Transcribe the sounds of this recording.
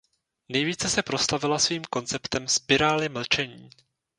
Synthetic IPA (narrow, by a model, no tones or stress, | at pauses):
nɛjviːt͡sɛsɛpɾo̞st̪avɪlasviːmko̞nt͡sɛpt̪ɛmspɪɾaːlɪml̩t͡ʃɛɲiː